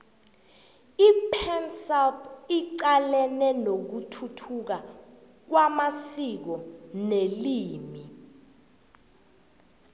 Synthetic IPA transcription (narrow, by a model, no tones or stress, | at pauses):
ipʰɛnsɛlpʰiǀalɛnɛnok̬utʰutʰuk̬a | k̬wamasik̬ɔneliːmi